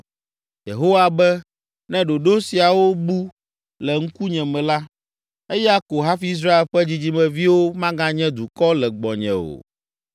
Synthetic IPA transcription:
jḛ˨ɦo˦wa˨bɛ˦ | nɛ̃˦ɖo˨ɖo˦si˨a˨wo˦bu˦ | lɛ˨ŋ̩˦ku˦ɲɛ̃˨mɛ̃˨la˦ | e˦jɛ˦a˦ko˨ɦa˦fi˦i˦s̬ɾa˦e˨lɸɛ˦d͡ʑi˦d͡ʑi˦mɛ̃˨vi˦wo˦mã˦ɡã˦ɲɛ̃˦d̪u˨kɔ˦lɛ˨ɡ͡bɔ˨ɲɛ̰̃˨o̰˨

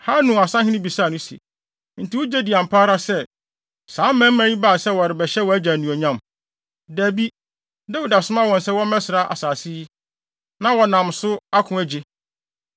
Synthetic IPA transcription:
ha˦nũ˨a˨sã˦hɪ̃˦nɪ̃˦bi˨sa˦˨nʊ̃˦si˨ḛ˨ | n̩˨tʰi˨wʊ˦d͡ʑɛ˦di˨ã˨m̩˨pʰaː˦ɾa˦sɛ˦ | sãː˨˦mːæ̃˦m̩˦mæ̃˦ɲĩ˦ba˦˨sɛ˦wɔ˨ɾɪ˨bɛ˨ɕɛ˦wɔ˨æ˦d͡ʑæ˨nũ˨ɔ˨ɲã˦˨m | dæː˨bi˦ | dɛ˦wi˨da˨sʊ̃˦ma˦wɔ̃˨n̩˨sɛ˦wɔ˦mɛ̃˦sɪ˨ɾa˦ʔa̰˨saː˨si˦i˦ | nã˦wɔ˨nã˨msʊ˦a˦kʰʊ̃˨˦æ˨d͡ʑe˦

